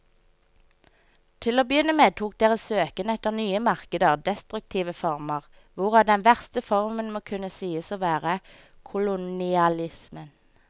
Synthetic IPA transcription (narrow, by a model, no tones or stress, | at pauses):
t̪ʰɪloːbəjʏnːəmeːt̪ʰuːk̚d̪eːʁisøːkənɛt̪əʁnyːəmɑʁkəd̪əʁd̪ɛst̪ʁʉk̚t̪ʰiːʋəfɔʁməʁ | ʋʊʁɑd̪ɛnʋæʁst̪əfɔʁmənmoːkʰʉnəsiːəsoːʋæːʁə | kʰʊlʊnɪɑlɪsmən